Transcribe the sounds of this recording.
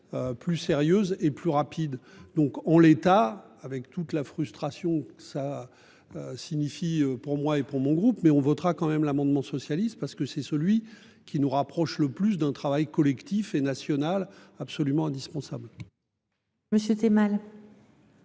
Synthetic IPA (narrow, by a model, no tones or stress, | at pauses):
øplyseʁjøzeplyʁapid̪d̪ɔ̃kɑ̃let̪a | avɛkt̪ut̪lafχyst̪χasjɔ̃kə̥sa | øsiɲifiøpuʁmwaepuʁmɔ̃ɡʁupmɛɔ̃vɔt̪ʁakɑ̃mɛmlamɑ̃d̪mɑ̃sɔsjalist̪̚paʁsə̥kəsɛsəlɥi | kʲʰinuʁapχɔʃləplys̬d̪ɛ̃t̪χavajkɔlɛkt̪ifenasjɔnalapsɔlymɑ̃ɛ̃d̪ispɑ̃sabl | məsjøt̪emal